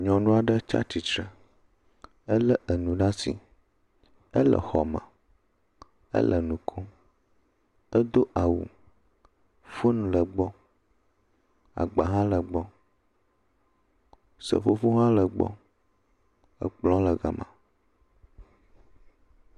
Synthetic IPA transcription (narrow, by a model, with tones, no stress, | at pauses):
ɲɔ̃˨nũ˦a˨ɖə˦t͡ʃa̰˦t͡ʃi˨t͡ʃɾə˨ | ə˦lə˦ʔə˨nũ˨ɖa˦si˨ | ə˦lə̰˨xɔ˨mã̰˨ | ə̰˦lʔə˨nũ˨kʰo˦ | ə˦d̪o˦ʔa˨wṵ˨ | fu˦nũ˨lə˨ɡ͡bɔ˦ | a̰˨ɡ͡ba˨ɦã˦lə˨ɡ͡bɔ˦ | sə̰˨fo˦fo˦ɦã˦lə˨ɡ͡bɔ̰˦ | ə̰˦k͡plɔ̃˦lə˨ɡa̰˨mʔã̰˨